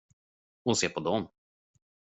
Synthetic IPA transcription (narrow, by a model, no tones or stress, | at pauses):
hʊnseːpʰɔd̪ɔm